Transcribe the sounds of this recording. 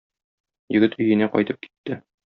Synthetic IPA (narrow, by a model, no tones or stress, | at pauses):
jɘ̆ɡɘt̪ɵ̆jɘ̆næqɒ̰jt̪ɤp̚ki̥t̪ːɘ